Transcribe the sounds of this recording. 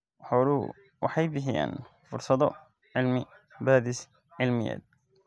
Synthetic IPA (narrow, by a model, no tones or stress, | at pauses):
wħɔːlʊ̰ | wʔɑħɑjbɪħɪja̰ːn | fʊɾsɐðɔ | ʕɪlmɪ | baːðɪs | ʕɪlmɪjɛ̰ːd̪̚